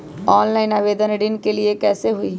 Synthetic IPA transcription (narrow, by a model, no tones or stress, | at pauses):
ɔːnlaːɪnaːʋeːd̪əneːɖɪnkelɪekɛːseɦʊiː